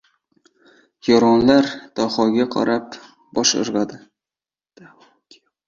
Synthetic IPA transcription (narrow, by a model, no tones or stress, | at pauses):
jɒɾɒnlaɾd̪̥ɒχɒɡʲaqʰɑ̰ɾap | b̥ɒʃʊ̰ɾʁɑd̪ɪ